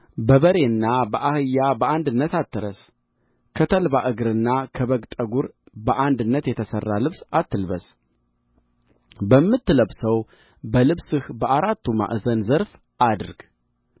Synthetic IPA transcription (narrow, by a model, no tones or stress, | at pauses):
bəβəɾe̞nːabəʔahɨjːabəand̪ɨnːət̪at̪ːɨɾəs | kʰət̪ʰəlbaʔɨɡɾɨnːakʰəβəɡt̪ʼəɡuɾ | bəʔand̪ɨnːət̪jɛt̪ʰəsərːalɨβsat̪ːɨlβəs | bəmːɨt̪ːɨləβsəw | bəlɨβsɨhbəʔaɾat̪ʰːuma̰ʔɨzənzəɾf | ʔad̪ɾɡ̥